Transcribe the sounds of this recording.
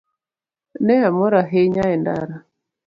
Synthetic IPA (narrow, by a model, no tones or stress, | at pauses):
nɛamoɾaɦeɲaɛnda̰ɾa